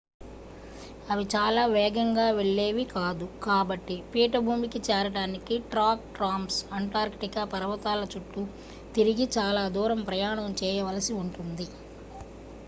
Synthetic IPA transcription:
ɐʋit͡ʃaːlaːʋɛːɡɐŋɡaːʋeɭːeːʋikaːd̪ukaːbɐʈːipiːʈɐbʱuːmikit͡ʃɛːɾɐɽaːnikiʈɾaːk̚ʈɾaːmsɐɳʈaːɾkʈikapɐɾɐʋɐt̪aːlɐt͡ʃuʈːu | t̪iɾiɡit͡ʃaːlaːd̪uːɾɐmpɾɐjaːɳɐmt͡ʃɛːjɐʋɐlɐsiuɳʈund̪i

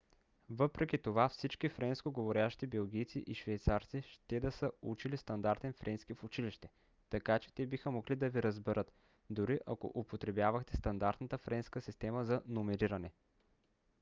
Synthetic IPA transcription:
vəpɾɛkʲit̪ovafsit͡ʃkʲifɾɛnskoɡovoɾjaʃt̪ibɛlˠɡijt̪sḭʔiʃvɛjt̪saɾt̪siʃt̪ɛd̪ɐsəut͡ʃilist̪ɐnd̪aɾt̪ɛnfɾʔɛnskifʊt͡ʃiliʃt̪ɛ | t̪ɐkat͡ʃɛ̥t̪ɛbixəmoɡlid̪ɐviɾəzbɛɾət̪ | d̪ʊɾiʔɐko̰ʔʊpot̪ɾɛbjavɐxt̪ɛst̪ɐnd̪aɾt̪nət̪əfɾɛnskəsist̪ɛməzɐnomɛɾiɾɐnɛ

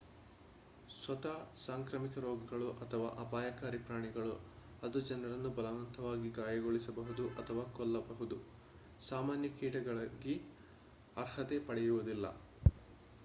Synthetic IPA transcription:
sʋɐt̪ɐsaːŋkɾɐmikɐɾoːɡɐɡɐɭuʔɐt̪ʰɐʋa̰ːʔɐpaːjɐkaːɾipɾaːɳiɡɐɭu | ɐd̪ud͡ʒɐnɐɾɐnːubɐlɐʋɐnt̪ʰɐʋaːɡiɡaːjɐɡoɭisɐbɐɦud̪uʔɐt̪ʰɐʋaːkɔlːɐbɐɦud̪u | saːmaːnjɐkiːʈɐɡɐɭɐɡi | ɐɾhɐt̪epɐɽɛjuʋud̪ilːɐ̰

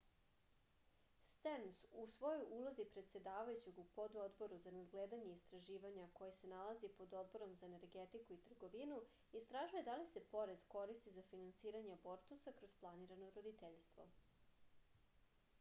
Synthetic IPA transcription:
st̪ensusʋo̞jojʔulˠozipɾet̪se̞d̪aːʋajut͡ɕeɡupo̞d̪o̞d̪bo̞ɾuzanad̪ɡleːd̪aɲe̞ist̪ɾaʒiːʋaɲako̞jese̞nalˠazipo̞d̪o̞d̪̚bo̞ɾo̞mzaene̞ɾɡet̪ikuit̪r̩ɡo̞ʋinu | ist̪ɾaʒuje̞d̪alise̞po̞ɾezko̞ɾist̪izafinansiːɾaɲebo̞ɾt̪usakɾo̞zplˠaniɾanoɾod̪it̪eʎst̪ʋo̞̰

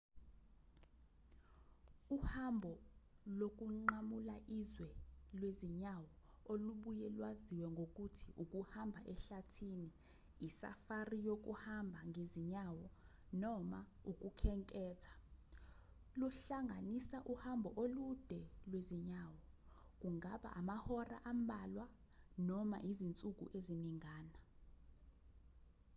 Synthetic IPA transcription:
uhambʱɔlok̬ʼuŋ͡ǃamulaʔizwɛlweziɲawɔ | oluɓujɛlwaziwɛŋɡʱok̬ʼutʰiʔukʼuhambʱaʔɛɬatʰini | isa̰farijok̬ʼṵhambʱaŋʱeziɲawɔ | nɔmauk̬ʼukʰɛŋkʼɛːtʰḁ | luɬaŋɡʱanisaʔuhambʱɔʔolud̥ʱɛlweziɲaːwɔ | k̬uŋaɓa̰ʔamahɔra̰ʔambʱalwa | nɔma̰ʔizint͡sʼuk̬ṵʔeziniŋaːna

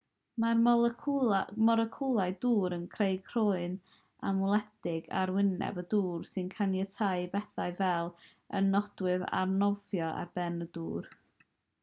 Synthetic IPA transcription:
marʰ | mɔɾəkʰulˠaɨduːɾənkʰreɨkʰr̥oːɨn | amʊlˠɛd̥ɪɡa̰ɾwɪnɛ̰bəduːrsɨnkʰanjətʰaɨbɛθaɨvɛlˠ | ənːɔd̥wɨða̰rnɔvjɔa̰rb̥ɛnəduːr

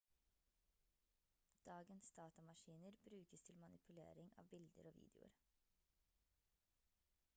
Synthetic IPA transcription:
d̪̥ɑːɡənsd̪̥ɑːt̪ɑmɑʃiːnəɾbɾʉːkəst̪ʰɪlmɑnʔɪpʰʉlḛːɾɪŋɑ̰ːʋbɪld̪əɾoːʋḭːd̪ɪʊ̰ɾ

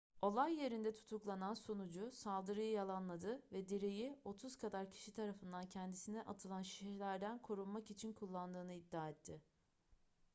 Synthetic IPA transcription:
o̞lˠajːe̞ɾind̪ɛt̪ʰu̥t̪ʰuklˠanansonud͡ʒʊsalˠd̪ɯɾɯjɯjalˠanlˠad̪ɯvɛd̪eɾejio̞t̪ʰuz̥kʰad̪aɾcʰi̥ʃit̪ʰaɾafɯnd̪ancʰɛnd̪isinɛʔat̪ʰɯlˠanʃi̥ʃɛlʲæɾd̪ænkʰo̞ɾulˠmakit͡ʃʰinkʰulˠːand̪ɯːnɯid̪ːaːɛt̪ʰːɪ

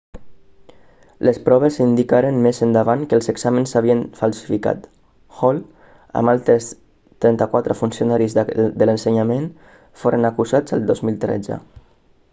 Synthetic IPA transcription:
lʔespɾɔβesind̪ikaɾənmezənd̪əβ̞aŋkəlˠzeɡz̥amənsaβ̞iənfalˠsi̥fika̰t̪ | xɔl | ə̰malˠt̪ɾəs | t̪ɾɛnt̪əkwat̪ɾəfunsiunaɾizd̪ələnsəɲamen | foɾənakuzazə̰lˠd̪ozmilˠt̪ɾɛ̰d͡zə̰

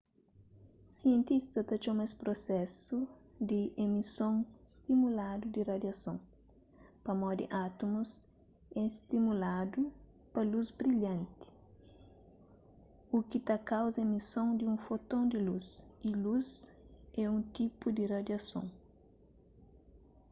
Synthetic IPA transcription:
siẽnt̪ist̪ɐt̪ɐt͡ʃomɐspɾosɛsu | d̪iʔemisõŋst̪imulad̪ud̪irɐd̪jɐsõ̰ŋ | pɐmɔd̪ɪ̰ʔat̪umus | ɛst̪imulad̪u | pɐluzbɾiʎɐ̃nt̪ɪ̥ | ukit̪akawzɐemisõŋd̪iũfot̪õnd̪ɪlusiluz | ɛũt̪ipud̪irɐd̪jɐsõ̰ŋ

